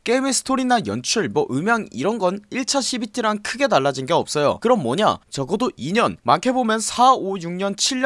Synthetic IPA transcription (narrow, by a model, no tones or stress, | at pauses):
k͈emesʰɯ̥tʰoɾinajʌ̰nt͡ɕʰuɭmʌʔɯmjaŋiɾʌnɡʌniɭt͡ɕʰaɕʰibitʰiɾaŋkʰɯɡe̞taɭːad͡ʑinɡe̞ʌp̚s͈ʌjo̰kɯɾʌmmʌɲa̰t͡ɕʌɡʌdoʔiɲʌnmankʰe̞bomjʌnsʰaojuŋɲʌnt͡ɕʰiɭː